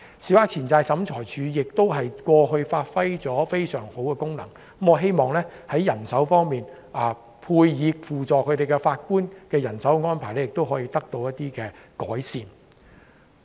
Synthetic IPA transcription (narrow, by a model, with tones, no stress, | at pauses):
si˨waː˧˥k̚t͡sʰiː˨˩nt͡saː˧jsɐ˨˥mt͡sʰɔː˨˩jt͡ʃʰyː˨˧jɪ˨k̚t̪o˥wɦɐ˨jkʷɔː˧ɦɵ˧ɥfaː˧t̚fɐ˥jt͡sɔː˨˥fe˥jsœ̰ː˨˩ŋho˨˥wkɛː˧kʊ˥ŋnɐ̰˨˩ŋ | m̩˦˥m̩ɔː˨˧ɦe˥jmɔː˨˩ŋlɛː˥hɐ˨˥jɐ˨˩nsɐ˨˥wfɔː˥ŋmiː˨˩n | ʔaː˨ | pʰuː˧jjiː˨˧k̚fuː˨t͡sɔː˨kʰɵ˨˧ɥt̪e˨jkɛ˧faː˧t̚kuː˥nkɛː˧jɐ˨˩nsɐ˨˥wŋɔː˥npʰaː˨˩jlɛ˥jɪ˨k̚t̪o˥wɦɔː˨˥jiː˧t̪ɐ˥k̚t̪o˧wjɐ˥t̚t̪iː˥kɛː˧kɔ̰ː˨˥jsiː˨n